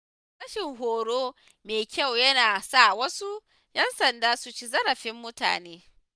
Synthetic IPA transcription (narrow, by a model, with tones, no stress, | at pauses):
sɐ˦ʃɪ˨ŋɦoː˨ɽoː˦ | meː˨kʲɐ˦˨wjɐ˦naː˨sa˦˨wɐ˦su˦ | jɐ˦nsɐ˨ndaː˦su˨t͡ʃi˦zɐ˦ɾɐ˨ɸɪ˦mːʊ˦ta̰ː˨neː˦